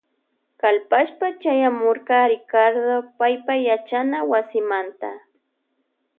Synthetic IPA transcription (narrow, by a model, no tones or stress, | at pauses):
kalpaʃpat͡ʃajamoɾɢɑɾɪkaɾd̪opajpajat͡ʃanawasɪmant̪a